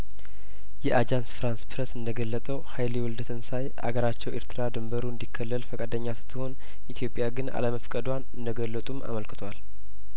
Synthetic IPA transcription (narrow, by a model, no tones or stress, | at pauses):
jɛʔad͡ʒansfɾanspʰɾəsɨnd̪əɡəlːət̪ʼəwhajljɛwɔld̪ət̪ʰɨnsajʔa̰ɡəɾat͡ʃːɛweɾt̪ʰɨɾad̪ɨmbəɾuɨnd̪ikʰːəlːəlfəkʼad̪əɲːasɨ̥t̪ʰːɨho̞n | ʔit̪ʰjo̞pʼːjaɡɨna̰ləməfkʼəd̪wanɨnd̪əɡəlːət̪ʼuma̰məlkɨt̪ʰwal